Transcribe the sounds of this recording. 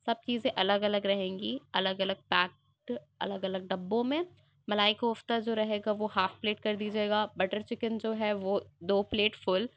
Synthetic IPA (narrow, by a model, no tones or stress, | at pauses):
sɐb̚t͡ʃiːzẽʔɐləɡɐləɡɾɐɦẽːŋɡiːɐləɡɐləɡ̚pɛːk | ʈ | ɐ̰ləɡɐləɡ̚ɖɐbːõmẽ | mɐlaːikoʊft̪ad͡ʒoːɾɐɦeːɡaʋohaːfpleːʈ̚kɐɾd̪iːd͡ʒaeːɡaːbɐʈəɾt͡ʃɪkənd͡ʒoːɦɛʋoːd̪oːpleːʈfʊl